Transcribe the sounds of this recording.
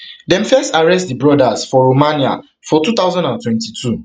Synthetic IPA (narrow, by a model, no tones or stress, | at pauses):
dɛ̃mfɛstaɹɛstdibɹɔdasfɔɹomãnia̰ | fɔtut̪aʊzãndãntwɛ̃ntitʰu